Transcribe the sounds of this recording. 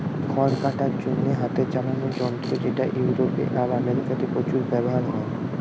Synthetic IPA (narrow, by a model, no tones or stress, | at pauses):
kʰɔɾkaʈaɾd͡ʑonːeɦat̪et͡ɕalanod͡ʑɔnt̪ɾod͡ʑeʈaʔjuuɾopḛʔalameɾikat̪epɾot͡ɕuɾbɛboɦaɾɦɔe